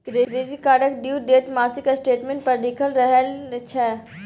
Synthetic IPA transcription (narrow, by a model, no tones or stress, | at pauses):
kɾeɾeɾikaːɽəkɖiːwd̪eːt̪maːsikasʈeːʈmẽɳʈ̚pɐɾd̪ikʰəlɾəɦəlt͡ʃʰɛː